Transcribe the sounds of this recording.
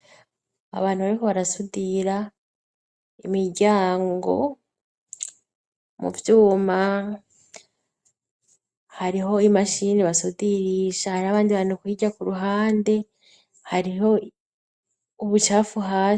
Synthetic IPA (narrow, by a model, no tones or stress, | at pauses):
a̰βaːnhuβaɾikoβaɾasudiɾa | imiɾɟaːŋɡo̞̰ | mṵvjuːma | haɾiɦo̞imaʃiːniβasudiɾiːʃahaɾiaβaːndiβaːnukwiːɟakuɾuɦaːnde̞ | haɾiɦo̞ | uβut͡ʃaːfuɦaː